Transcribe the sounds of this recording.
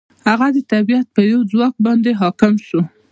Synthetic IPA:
haɣad̪ət̪abijat̪̚pəjawd͡zwɑk̚bɑnd̪eɦɑkɪmʃu

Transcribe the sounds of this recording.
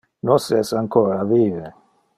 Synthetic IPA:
nosɛsaŋkoːɾaviːve

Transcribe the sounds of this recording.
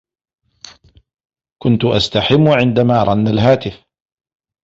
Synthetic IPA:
kʊnt̪ʊʔa̰st̪aħɪmːʊʕɪnd̪amaːɾˤɑnːalɦaːt̪ɪf

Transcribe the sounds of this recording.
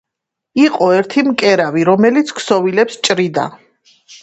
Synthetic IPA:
iqʼɔɛɾt̪ʰimkʼɛɾaviɾɔmɛlit̪sʰkʰsɔvilɛpst͡ʃʼɾid̪a̰

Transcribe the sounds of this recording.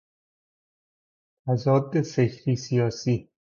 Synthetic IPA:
t̪ʰæzɒːd̪eseçɾiːsijɒːsiː

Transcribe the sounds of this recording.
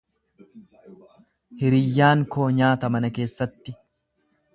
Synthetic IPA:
hɪɾɪjːaːŋkoːɲaːt̪ɐmɐnɐke̞ːsːɐt̪ːɪ

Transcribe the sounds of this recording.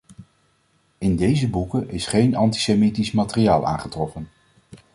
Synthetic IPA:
ɪndejzəbukənʔɪsχejnɑnti̥semitismaːtɪriaːlˠa̰ːnχətrɔfən

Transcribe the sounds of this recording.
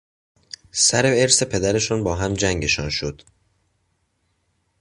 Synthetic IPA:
sæɾeeɾse̞pʰe̞d̪æɾe̞ʃunbɒːɦæmd͡ʒæŋɟe̞ʃɒ̰ːnʃod̪̥

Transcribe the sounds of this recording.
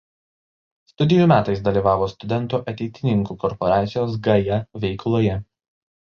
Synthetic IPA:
st̪ʊd̪ʲɪjuːˑmʲæːt̪ɐɪs̬d̪ɐlʲiːʋɑːʋoːst̪ʊd̪ʲɛnˑt̪uːʔɐt̪ʲɛɪt̪ʲɪnʲɪŋkuːkɔɾpɔɾɑːt̪sʲɪjoːs̬ɡɐjɛʋʲɛɪklˠoːjɛ

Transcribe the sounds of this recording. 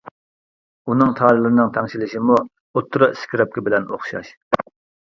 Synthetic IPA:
unɨŋt̪ʰɑːlˠɨlˠɨɾɨnɨŋt̪ʰɛŋʃilɪʃimu | ot̪ʰːɾɑskʲiɾɛp̚kʲɪbɪlɛno̰χʃɑ̰ʃ

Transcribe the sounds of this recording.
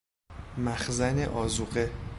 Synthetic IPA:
mæxzæneʔɒːzuɢe

